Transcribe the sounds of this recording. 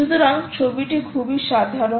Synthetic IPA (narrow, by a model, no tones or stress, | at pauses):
ud̪ʱoɾaŋt͡ɕʰobiʈikʰubiʃad̪ʱaɾo